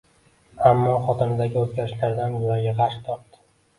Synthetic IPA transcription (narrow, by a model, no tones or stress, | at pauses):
amːɒχɒt̪ʰɪnɪd̪aɡʲɪot̪ɡʲaɾɪʃlaɾd̪anjʊlaɾɡʲaʁɑɾʃt̪ʰɒp̚d̪ɪ̥